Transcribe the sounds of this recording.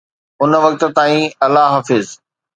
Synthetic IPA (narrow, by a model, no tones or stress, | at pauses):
ʊnə̆ʋɐk̚t̪ə̆t̪aːĩɐlaɦaːfɪz